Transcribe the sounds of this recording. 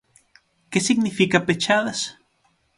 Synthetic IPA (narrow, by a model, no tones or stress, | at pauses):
kesiɣnifikapet͡ʃaðas